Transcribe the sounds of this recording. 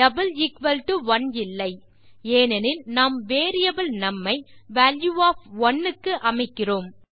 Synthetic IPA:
ɐbɐlɪkʋɐlʈɯʋɐnɪlːɐɪ | eːnɐnɪlnaːmʋeːɾɪjɐbɪlnɐmːɐɪʋaːljuaːfɔnːɯkːɯʔɐmɐɪkːɪroːm

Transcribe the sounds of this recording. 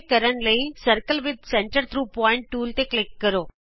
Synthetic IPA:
kəɾəɳləisəɾkəlʋɪd̪̚seɳʈəɾt̪ʰɾuːpɔːɪɳʈ̚ʈuːlt̪eklikːəɾoː

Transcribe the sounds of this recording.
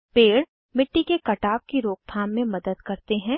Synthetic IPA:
peːɽ | mɪʈːikekɐʈaːp̚kiɾoːk̚t̪ʰaːmːẽmɐd̪əd̪kɐɾt̪eɦɛ̃ː

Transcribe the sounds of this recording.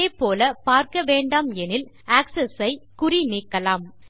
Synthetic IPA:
eɪpːoːlɐpaːɾkɐʋeːɳɖaːmɛnɪl | aːksɛsɐɪkʊriniːkːɐlaːm

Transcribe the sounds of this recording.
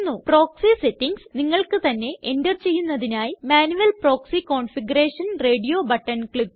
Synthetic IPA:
nːupro̞ːksisetːiŋɡsniŋːɐɭkɨt̪ɐnːe̞ʔendɐrt͡ɕe̞jːunːɐðinaːjimaːnuʋɐlpro̞ːksiko̞ːɳfiɡɐreːʂɐnre̞ːɖijo̞ːbɐʈːɐnkɭip

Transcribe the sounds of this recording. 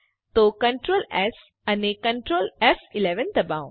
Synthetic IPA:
t̪okɐ̃ɳʈɾoːlɛs | ɐnekɐ̃ɳʈɾoːlɛsɪlɛʋə̃nd̪ɐbãʊ̃

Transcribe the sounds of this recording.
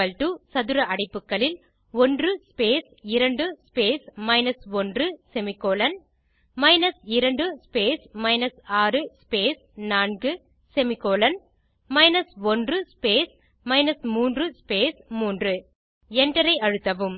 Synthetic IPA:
ɐlʈɯsɐðɯɾɐʔɐɽɐɪpːɯkːɐɭɪl | ɔndrɯspeːsɪɾɐɳɖɯspeːsmɐɪnɐsɔndrɯsɛmɪkːoːlɐn | mɐɪnɐsɪɾɐɳɖɯspeːsmɐɪnɐsaːrɯspeːs | naːnɡɯ | sɛmɪkːoːlɐn | mɐɪnɐsɔndrɯspeːs | mɐɪnɐsmuːndrɯspeːsmuːndrɯ | ɛnɖɐɾɐɪɐɻɯt̪ːɐʋɯm

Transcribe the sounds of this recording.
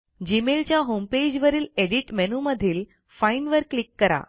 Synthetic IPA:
d͡ʑimelt͡ɕjaɦomped͡ʑʋəɾiːleɽiʈmɛnuməd̪ʱiːl | fainʋəɾklikːəɾa̰

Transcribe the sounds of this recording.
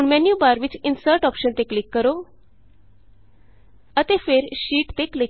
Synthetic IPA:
uɳmɛnjubaɾʋit͡ɕinsəɾʈɔpɕənt̪eklikːəɾo | ət̪efeːɾɕiːʈt̪ekli

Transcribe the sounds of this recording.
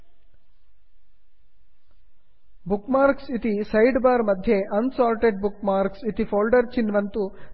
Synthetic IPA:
bukmaːɾksit̪isɐjɖbaːɾmɐd̪ʱjeʔɐnsaːlʈeɖbukmaːɾksit̪ifʰoːlɖɐɾt͡ʃinʋɐnt̪u

